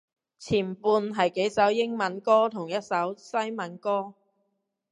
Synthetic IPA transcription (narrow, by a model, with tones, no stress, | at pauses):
t͡sʰiː˨˩npuː˧nɦɐ˨jke˨˥jsɐ˨˥wjɪ˥ŋmɐ˨˥nkɔː˥t̪ʰʊ˨˩ŋjɐ˥t̚sɐ˨˥wsɐ˥jmɐ˨˥nkɔː˥